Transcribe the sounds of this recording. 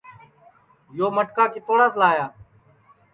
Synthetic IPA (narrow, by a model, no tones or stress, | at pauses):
joːməʈkaːkɪt̪oːɳãːslaːjaː